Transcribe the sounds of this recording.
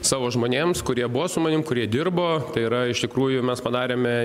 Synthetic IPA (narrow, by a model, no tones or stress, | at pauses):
sɑːʋoːʒmoːnʲeːmskʊɾʲiɛbʊʋosʊmɐnʲɪmkʊɾʲiɛd̪ʲɪrboːt̪ɐɪɪɾɐɪʃt̪ʲɪkɾuːjʊmʲɛspɐd̪ɑːɾʲeːmʲɛ